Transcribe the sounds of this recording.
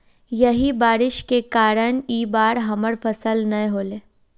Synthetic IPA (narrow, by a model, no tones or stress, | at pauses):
jɐɦibaːɾɪʃkekaːɾəñiːbaːɾɦɐməɾfʰəsəlnɐ̃ɦoːleː